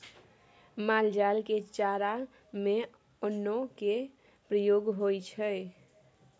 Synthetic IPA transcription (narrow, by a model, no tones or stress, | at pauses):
mald͡ʒalket͡ʃaɾa | me | ənːoke | pɾəjoɡɦojt͡ʃʰəj